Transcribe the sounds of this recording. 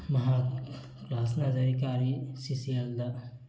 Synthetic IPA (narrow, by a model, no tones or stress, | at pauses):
mɐɦaː | klaːsnɐd͡ʒɐɾikaːɾisisield̪a